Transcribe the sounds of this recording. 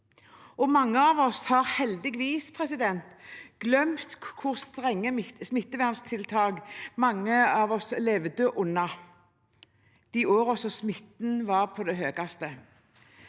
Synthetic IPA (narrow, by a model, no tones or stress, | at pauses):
ɔmɑŋːəɑːʋɔshɑɾhɛld̪ɪɡʋiːspʰɾɛsɪd̪ɛnt̪ɡ̥lœmt̪kʰʊʁst̪ʁɛŋːəmɪsmɪt̪ːəʋæːʁnst̪ʰɪlt̪ʰɑːɡmɑŋːəɑːʋɔslɛʋd̪əʔʊnːɑ | d̪̥ɪʔoːɾɔsɔsmɪt̪nʋɑːʁpʰɔd̪ɛɦøːɡɑst̪ə